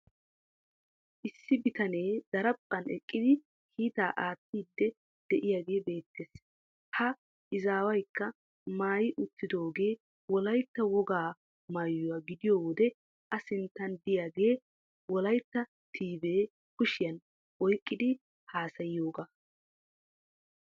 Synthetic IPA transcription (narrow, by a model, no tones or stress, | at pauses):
ʔɪsːɪbɪt̪ɐne̞ːd̪̥ɐɾɐpʼːɐnɛ̰kʼːɪd̪ɪ | kʰiːt̪aːʔaːt̪ːiːd̪ːɛ | d̪̥ɛʔɪjaːɡe̞ːbe̞ːt̪ʰːeːs | hɐ | ɪzaːwɐjkːɐ | maːjɪʔʊt̪ːɪd̪o̞ːɡe̞ː | wɔlɐjt̪ːɐwɔɡaː | maːjːʊwaːɡɪd̪ɪjoːwɔd̪ɛ | ʔɐsɪnt̪ːɐnd̪ɪjaːɡe̞ː | wɔlɐjt̪ːɐ | t̪ʰiːbe̞ː | kʊʃɪjɐn | ʔɔjkʼːɪd̪ɪ | haːsɐjɪjo̞ːɡa